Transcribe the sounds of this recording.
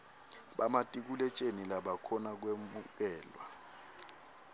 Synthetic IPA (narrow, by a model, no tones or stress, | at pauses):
ɓamatʼik̬ulɛt͡ʃʼenilaɓakʰɔnak̬wemuk̬ɛːlwa